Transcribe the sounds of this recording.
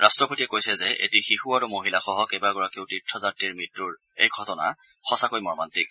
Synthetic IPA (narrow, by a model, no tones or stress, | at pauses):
ɹʔastɹɔpotiɛkojsɛzɛʔḛtixixuaɹumoɦilaxɔɦɔkejbaɡɔɹakiʊtitʰːɔzatːiɹmitɹuɹ | ḛjɡʱɔtɔna̰ | xɔsakojmɔɹmantik̚